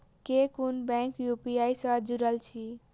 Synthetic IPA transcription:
kekunbɛ̃ŋkjupiajsə̃d͡ʒuɾəlt͡ʃʰi

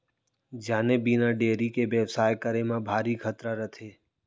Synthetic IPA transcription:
d͡ʒaːnebinaɖeːɾikeʋəʋsaːjkəɾemãbʱaːɾikʰət̪ɾaɾət̪ʰeː

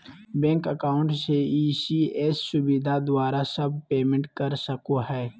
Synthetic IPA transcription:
bɛ̃ːŋkəkaːʊ̃ɳʈseiːsieːsːʊbɪd̪ʱad̪waːɾasɐb̚peːmẽɳʈ̚kɐɾsɐkoɦɛː

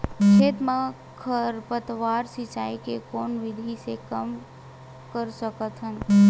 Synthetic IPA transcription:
t͡ʃʰet̪ma | kʰəɾpət̪ʋaɾsit͡ʃaikekoːnʋɪd̪ʱisekəm | kəɾsəkət̪ɦən

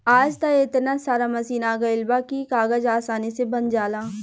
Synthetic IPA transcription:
aːd͡ʒt̪aet̪nasaːɾamɐsiːnaːɡɐɪlbakikaːɡəd͡ʒaːsaːnisebɐnd͡ʒaːlaː

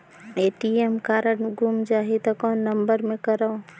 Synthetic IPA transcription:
eːʈiemkaːɾəɳɡumd͡ʒaːɦit̪ɔkɔːnːɐmbəɾmẽkəɾao

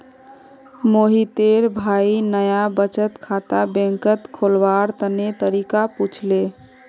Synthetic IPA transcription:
moɦit̪eɾbʱainəjabət͡ʃət̪kʰat̪abẽŋkət̪kʰolbaɾt̪ənet̪əɾikaput͡ʃʰle

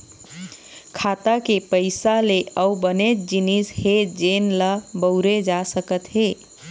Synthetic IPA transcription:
kʰat̪akepəɪsaleʔəubənet̪̚d͡ʒinished͡ʒenləbəʊɾed͡ʒasəkət̪ɦe

